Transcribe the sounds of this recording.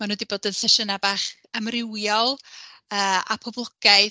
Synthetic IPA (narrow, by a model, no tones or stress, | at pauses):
manudiboːdənsɛʃənabaːχ | əmrɪwjɔlˠ | əːa̰pʰɔblˠɔɡ̥aj